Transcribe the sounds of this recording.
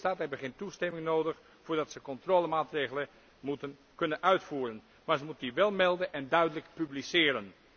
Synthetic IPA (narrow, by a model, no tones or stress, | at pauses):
taːtɦɛjbəχɪntːustɛmɪŋnoːdəχ | fʊːɹdɑtsəkɔntroːləmaːtreːɣələ | mutən | kɵnənœɥtfuːɾən | maːɹzəmutəndiʋɛlˠmɛlˠdənʔɛndœɥdələkpyblisɪːɾən